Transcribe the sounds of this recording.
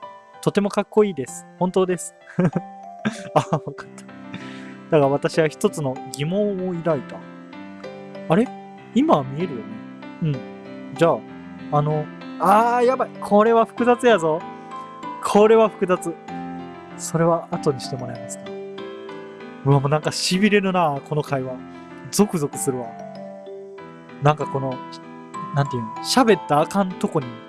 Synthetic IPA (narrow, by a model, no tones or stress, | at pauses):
t̪o̞t̪e̞mo̞kakːo̞iːd̪e̞sɨ̥hõnt̪o̞ːd̪e̞sɨ̥ | aβakḁt̪ʰːḁ | d̪̥aɡaβat̪aɕiβaçi̥t̪o̞t͡sɨno̞ɡʲimõ̞ɰ̃oiɾait̪a | aɾe̞ | imaβmʲie̞ɾɯ̟jone̞ | ɯ̟̃ɴ | d͡ʑaː | no̞ | aːjabaikʰo̞ɾe̞βaɸɯ̟̥kɯ̟zat͡sɨjazo̞ | kʰoɾe̞βaɸɯ̟̥kɯ̟zat͡sɨ | so̞ɾe̞βaʔːt̪o̞ɲ̟iɕi̥t̪e̞mo̞ɾaemasɨ̥ka | ɯ̟amonãŋkaɕibʲiɾe̞ɾɯ̟nakʰo̞no̞kaiβa | zo̞kɯ̟zo̞kɯ̟sɨɾɯ̟βa | nãŋkako̞no̞ | nãnt̪ejɯnoɕabe̞t̪ːaːkãnt̪o̞ko̞ɲ̟i